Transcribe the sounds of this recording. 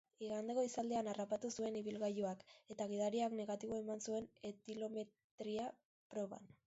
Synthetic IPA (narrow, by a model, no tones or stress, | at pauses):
iɣand̪eko̞isald̪eanarapat̪usue̞niβ̞ilɣajuake̞t̪aɣ̞iðaɾiakne̞ɣat̪iβo̞emansue̞net̪ilo̞me̞ | t̪ɾia | pɾo̞βa̰n